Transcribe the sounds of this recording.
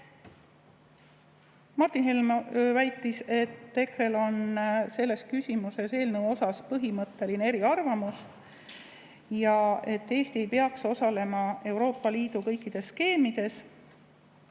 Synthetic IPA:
mɑrt̪inɦelmvæjt̪ːˑise̞t̪ːe̞kɾe̞lo̞nse̞lːe̞skysʲimuse̞se̞ːlnewo̞sɑspɤɦimɤt̪ːe̞linee̞ɾiɑrvɑmus | jɑe̞t̪ːe̞ːst̪ie̞jpeɑkso̞sɑle̞mɑe̞wɾo̞ːpːɑliːd̪̥ukɤ̞jkːˑid̪̥e̞sːke̞ːmid̪̥e̞s

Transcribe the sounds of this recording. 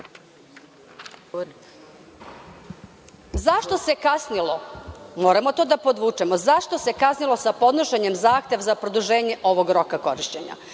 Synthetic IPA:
zaʃt̪o̞se̞kasnilˠomo̞ːɾamo̞t̪o̞ːd̪apo̞d̪ʋuːt͡ʂemozaʃt̪o̞se̞kasnilˠo̞sapo̞d̪noʃe̞ɲe̞mzaːxt̪je̞ʋzapɾo̞d̪uʒe̞ːɲe̞ʔo̞ʋo̞ɡɾo̞kako̞ɾiʃt͡ɕe̞ɲa̰

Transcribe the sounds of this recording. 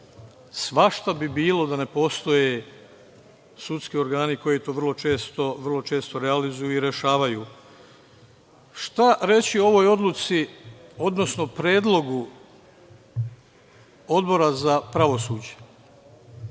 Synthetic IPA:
sʋaʃt̪abibiːlo̞d̪ane̞po̞st̪o̞je | sut̪skio̞ɾɡaːniko̞jit̪oːʋr̩lˠo̞t͡ʃe̞ːst̪o̞ʋr̩lˠo̞t͡ʃe̞ːst̪oɾealizujuiɾe̞ʃaːʋajuː | ʃt̪aɾe̞t͡ɕioo̞ʋo̞jo̞d̪lut̪sio̞d̪no̞sno̞pɾe̞ːd̪lo̞ɡu | o̞d̪bo̞ɾazapɾaʋo̞suːd͡ʑe̥

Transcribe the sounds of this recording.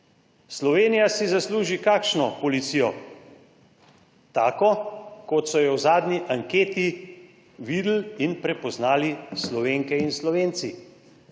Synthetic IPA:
slɔʋeːnijasizasluːʒikaːkʃnɔpɔlit̪siːjɔ | t̪aːkɔkɔt̪sɔjɛwzaːd̪nʲiʔaŋkeːt̪i | ʋiːd̪l̩inpɾɛpɔznaːlislɔʋeːŋkɛinslɔʋeːnt̪si

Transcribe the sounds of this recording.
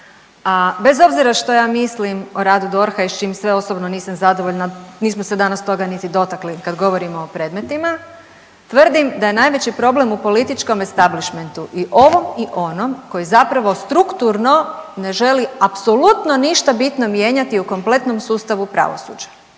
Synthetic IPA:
abe̞zo̞bziɾaʃt̪o̞jaːmislimoɾaːd̪ud̪o̞ɾxaiʃt͡ʃiːmsʋe̞o̞sobnoniːsamzad̪oʋoʎnaniːsmosed̪anast̪o̞ɡanit̪id̪o̞t̪aklikad̪ɡo̞ʋo̞ɾimoːpɾe̞ːd̪me̞t̪ima | t̪ʋr̩d̪imd̪aje̞najʋe̞t͡ɕipɾo̞ble̞mupo̞lit̪it͡ʃko̞mest̪abliʃment̪uʔiʔo̞ʋo̞miʔo̞no̞mko̞jizapɾaʋo̞st̪ɾukt̪uɾno̞ne̞ʒe̞liapso̞lut̪no̞niʃt̪abit̪no̞mje̞ːɲat̪iuko̞mple̞t̪no̞msuːst̪aʋupɾa̰ʋo̰sṵd͡ʑḁ

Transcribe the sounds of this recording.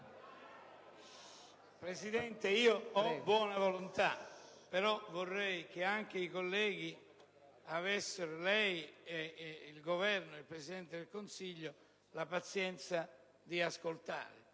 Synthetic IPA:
pɾesid̪ɛnt̪eiːoɔbːwɔːnavolunt̪a̰ | peɾɔvorːɛjk̟eaŋk̟eikolːɛːɡi | avesːɪɾolɛjeilɡovɛrnʊilpɾesid̪ɛnt̪ɪd̪ɪlkonsiʎːʊ | lapat̪sjɛnt̪sa | d̪iaskolt̪a̰ːɾɪ̰

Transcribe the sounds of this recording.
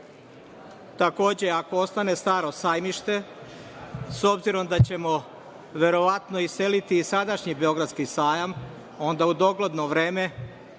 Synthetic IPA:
t̪ako̞ːd͡ʑe̞ako̞ost̪ane̞st̪aːɾo̞saːjmiʃt̪e̞ | so̞bziɾo̞md̪at͡ɕe̞mo̞ | ʋe̞ɾo̞ʋat̪no̞ise̞lit̪iːsad̪aʃɲibeo̞ɡɾad̪skisaːjam | o̞nd̪aud̪o̞ɡlod̪no̞ʋɾe̞ːme̞

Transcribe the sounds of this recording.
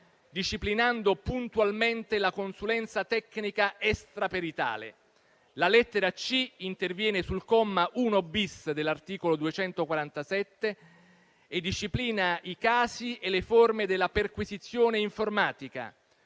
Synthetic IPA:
d̪iʃːiplinand̪opunt̪ualment̪elakonsulɛnt̪sat̪ɛkːnikaʔɛst̪ɾapeɾit̪a̰ːlḛ | lalɛt̪ːeɾat͡ʃiint̪ervjɛːnesulkɔmːaʔunobisd̪elːart̪iːkolod̪uet͡ʃɛnt̪okwaɾant̪asɛt̪ːe | ed̪iʃːipliːnaikaːsieleformed̪elːaperkwizit̪sːjoːneiɱformaːt̪ika̰

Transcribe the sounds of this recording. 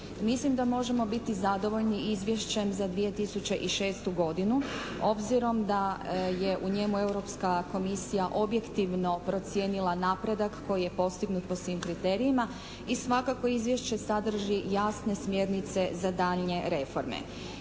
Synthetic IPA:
mislimd̪amo̞ʒe̞mo̞bit̪izad̪o̞ʋo̞ʎniizʋje̞ʃt͡ɕe̞mzad̪ʋije̞t̪isut͡ɕe̞ʔiʃe̞ːst̪uɡo̞d̪inu | o̞bziɾo̞md̪aje̞ʔuɲe̞mue̞wɾo̞pskako̞misijaʔo̞bje̞kt̪iʋno̞pɾo̞t̪sjeːnilˠanapɾe̞d̪akːo̞jije̞po̞st̪iɡnut̪̚po̞sʋimkɾit̪e̞ɾiima | isʋakako̞izʋje̞ʃt͡ɕe̞sad̪r̩ʒijasne̞smje̞ɾnit̪se̞zad̪aʎɲe̞ɾe̞fo̞ɾmḛ

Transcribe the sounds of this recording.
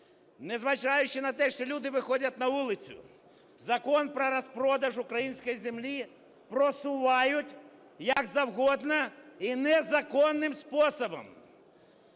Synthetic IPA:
nɛzʋɐt͡ʃɑjʊt͡ʃɪnɐt̪ɛʃt͡ʃɔlʲud̪ɪʋɪxɔdʲɐt̪̚ʲnɐʋulˠɪt͡sʲʊ̰ | zɐkɔnpɾɐɾɐspɾɔd̪ɐʒʊkɾɐjinʲsʲkɔjizʲemlʲi | pɾɔsʊʋɑjʊtʲ | jɐkzɐwɣɔd̪nɐinɛzɐkɔnːɪmspɔsɔbɔ̰m

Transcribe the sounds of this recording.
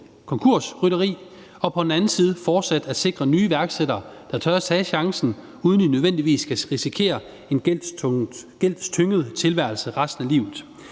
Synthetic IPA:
kʰɒ̽ŋkʰuɐsʁyɾɐʁḭː | ɒ̽pʰɒ̽d̥n̩ænn̩siːð̞̩ˠəfɒːd̥sæd̥æd̥se̝ɡ̥ʁɐnyːʋæɐɡ̥seɾ̥ɐː | d̥ɑ̈t͡sʰœːsɛːɕɑ̈ŋsn̩ | uːðˠnd̥inøðˠʋen̰d̥iʋḭːskʰæʁisikʰe̝̰ːɐ | e̝n | ɡ̥el̰d̥st͡sʰøŋəð̞̩ˠt͡sʰe̝lʋæɐlsəʁɑ̈sd̥n̩ælḭːʊð̩ˠ

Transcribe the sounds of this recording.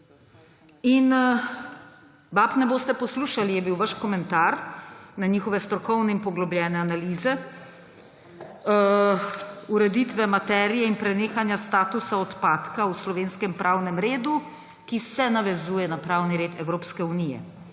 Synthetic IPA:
in | baːpnɛboːst̪ɛpɔsluːʃalijɛbiwʋaʃkɔmɛnt̪aɾnaɲiːxɔʋɛst̪ɾɔkɔwnɛinpɔɡlɔbljɛːnɛanaliːzɛ | uɾɛd̪iːt̪ʋɛmat̪ɛːɾijɛinpɾɛneːxanjast̪aːt̪usaɔt̪paːt̪kauslɔʋeːnskɛmpɾʔaːwnɛmɾeːd̪u | kisɛnaʋɛzuːjɛnapɾaːwniɾeːt̪ɛwɾoːpskɛunijɛ̰

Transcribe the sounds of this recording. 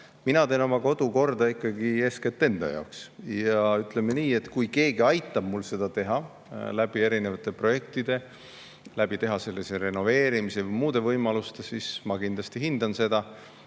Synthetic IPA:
minɑt̪e̞ːno̞mɑko̞d̪̥uko̞rd̪ɑikːˑɑɡie̞sket̪ːˑe̞nd̪̥ɑ̰jɑ̰oksjɑyt̪ːˑle̞meniːe̞t̪kujke̞ːɡiɑjt̪ˑːɑb̥mulse̞d̪̥ɑt̪e̞ɦɑ | læb̥ie̞ɾine̞vɑt̪ːˑe̞pro̞je̞k̚t̪id̪e̞ | læb̥it̪e̞ɦɑse̞lːiseɾe̞no̞ve̞ːɾimisevɯjmuːd̪̥e̞vɤjmɑlust̪e̞sismɑkind̪lɑst̪iɦind̪ɑnse̞d̪̥ɑ

